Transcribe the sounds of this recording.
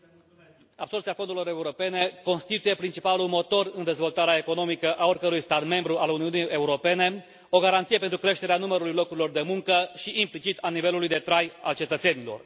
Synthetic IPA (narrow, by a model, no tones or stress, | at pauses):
ab̥sort̪siafo̞nd̪ulo̞ɾe̞uɾo̞pe̞ne̞ko̞nst̪it̪uje̞pɾint͡ʃipalulmo̞t̪o̞rɨnd̪e̞zvo̞lt̪aɾeae̞ko̞no̞mikəʔao̞rkəɾujst̪at̪me̞mbɾuʔaluniunijʔe̞uɾo̞pe̞ne̞ | o̞ɡaɾant̪sijepe̞nt̪ɾukɾe̞ʃt̪eɾeanuməɾulujlo̞kuɾilo̞rd̪e̞muŋkəʃiʔːmplit͡ʃit̪ʰanive̞lulujd̪e̞t̪ɾaja̰lt͡ʃe̞t̪ət̪se̞nilo̞̰r